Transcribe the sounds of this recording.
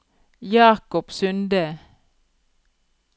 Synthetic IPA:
jɑːkɔpsʉnd̪ə

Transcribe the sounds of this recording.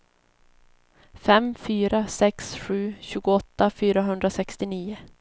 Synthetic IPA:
fɛmfyːɾasɛksɧʉ̟ːɕʉ̟ːɡʊɔt̪ːafyːɾaɦɵnd̪ɾasɛkst̪ɪniːʊ

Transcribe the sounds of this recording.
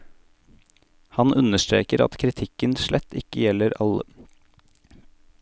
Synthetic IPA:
hɑnʔʉnəʃt̪ɾḛːkəɾɑ̰t̪kʰɾɪt̪ʰɪkənʃlʔɛt̪ːɪkəjɛləɾɑlə

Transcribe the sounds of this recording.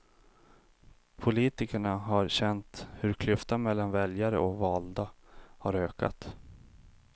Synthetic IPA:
pʰʊliːt̪ɪkəɳaɦaɾɕɛnt̪hɵɾkʰlɵft̪anmɛlːanvɛljaɾə̰ɔvɑːld̪a | haɾøːka̰t̪

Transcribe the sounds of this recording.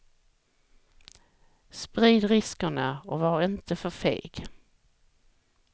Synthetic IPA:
spɾiːd̪ɾɪskəɳaɔvaɾɪnt̪əfœɾfḛːɡ

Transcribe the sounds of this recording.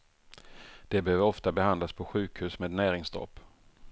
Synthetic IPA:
d̪̥ɛbɛhøːvəɾɔft̪abɛhand̪laspʰɔɧʉ̟ːkhʉ̟ːsmeːd̪næːɾɪŋsd̪ɾɔ̰ːpː

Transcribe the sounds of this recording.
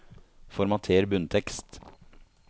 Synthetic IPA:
fɔɾmɑt̪ʰeːɾbʉnt̪ʰɛkst̪

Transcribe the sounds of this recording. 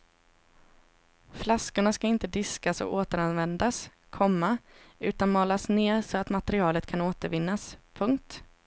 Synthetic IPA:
flaskʊɳaskaɪnt̪əd̪ɪskasɔ̰oːt̪əɾanvɛnd̪as | kʰɔmːaʉ̟ːt̪anmɑːlasneːɾʂɔat̪mat̪ɛɾɪɑːlət̪kʰanoːt̪əɾvɪnːaspʰɵŋk̚t̪

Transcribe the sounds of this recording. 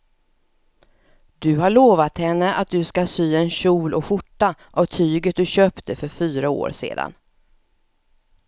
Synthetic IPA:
d̪̥ɵɦaɭoːvat̪hɛnːəʔat̪̚d̪ɵskasyːɛnɕuːlʔɔɧʊʈːaʔavt̪ʰyːɡət̪̚d̪ɵɕøːpt̪ʰəfœɾfyːɾao̰ːɾsḛːd̪a̰n

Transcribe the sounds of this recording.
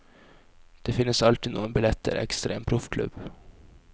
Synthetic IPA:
d̪̥ɛfɪnːəsalt̪iːd̪noːɡɔnbɪlɛt̪ʰːə̰ɾɛ̰kst̪ɾʔḛːmpʰɾʊfkʰlɵ̰bː

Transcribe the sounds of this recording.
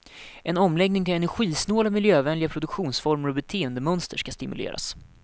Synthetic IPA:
ʔɛnɔmlɛɡnɪŋt̪ʰɪlɛnæɾɧiːsnoːlamɪljøːvɛnlɪɡapʰɾʊd̪ɵkɧuːnsfɔɾməɾɔbɛt̪ʰeːənd̪əmœnst̪əʂkast̪ɪmɵ̰lḛːɾa̰s

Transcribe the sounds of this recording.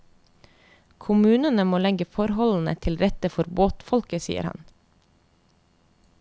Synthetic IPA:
kʰʊmʉːnənəmoːlɛɡəfɔɾhɔln̩ə̰t̪ʰɪlɾɛt̪əfɔɾboːt̪fɔlkəsḭːə̰ɾhɑ̰n

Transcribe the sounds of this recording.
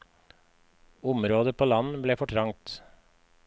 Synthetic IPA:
ʊmɾoːd̪əpʰoːlɑnbleːfɔʈʰɾɑŋt̪

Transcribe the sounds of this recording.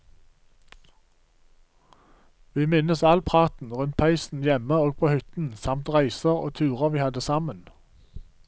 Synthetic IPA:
ʋiːmɪnəsɑlpʰʁɑːt̪n̩ʁʉnt̪̚pʰæɪsn̩jɛməoːɡ̚pʰoːhʏt̪n̩sɑmt̪ʁæɪsəʁo̰ːt̪ʰʉːʁəʋiːhɑd̪əsɑmən

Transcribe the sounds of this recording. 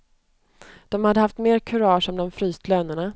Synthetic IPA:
d̪̥ɔmhad̪ːəhaft̪meːɾkʰɵɾɑːʂɔmd̪ɔmfɾyːst̪ʰløːnəɳa

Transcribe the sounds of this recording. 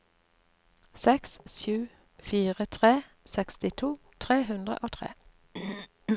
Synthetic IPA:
sɛkssʉː | fiːʁət̪ʰʁeː | sɛkst̪ɪt̪ʰuː | t̪ʰʁeːhʉnd̪ʁə̰ʔoːt̪ʰʁḛː

